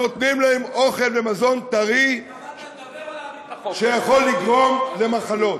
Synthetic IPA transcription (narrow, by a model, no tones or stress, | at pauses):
ot̪nimlaemoχe̞lvemazo̞nt̪aʁi | ʃejaχo̞lːiɡʁo̞mle̞maχalo̞t